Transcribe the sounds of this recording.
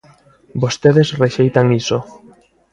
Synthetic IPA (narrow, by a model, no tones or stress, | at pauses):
bost̪eðesreʃejt̪aŋiso